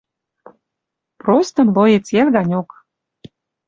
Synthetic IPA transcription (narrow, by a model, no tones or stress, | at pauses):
prost̪ə̆mlojet͡selɣɑnʲok